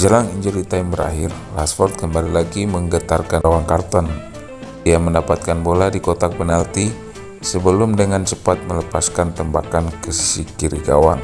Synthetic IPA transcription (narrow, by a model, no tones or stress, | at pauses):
d͡ʒəlaŋiɲd͡ʒulit̪aimbəɾa̰ɦɪr | lasfɔrt̪̚kəmbalilaɡiməŋɡət̪arkawaŋkart̪ɔn | diaməndapat̪̚kanboladikot̪ak̚pənalt̪i | səbəlʊmdəŋant͡ʃəpat̪̚mələpaskant̪əmbakankəsi̥sikiɾiɡa̰wa̰n